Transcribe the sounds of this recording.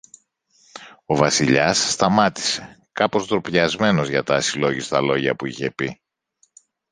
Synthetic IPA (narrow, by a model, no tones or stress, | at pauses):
o̞vɐsiʎɐsːt̪ɐmɐt̪i̥se̞ | kɐpo̞zt̪ɾopʎɐzme̞no̞zʝɐt̪ɐsilo̞ʝist̪ɐlo̞ʝɐ̰puiçepi